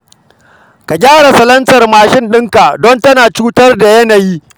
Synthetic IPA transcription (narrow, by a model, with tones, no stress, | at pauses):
ka˨ɡʲaː˦ɽa˨sɐ˨lɐ˦nsɐ˨rmaː˨ʃɪ˦nɗɪ˦ŋka˨dɔ˦ntɐ˦naː˨t͡ʃuː˦tɐ˦rda˨jɐ˦na˨jiː˦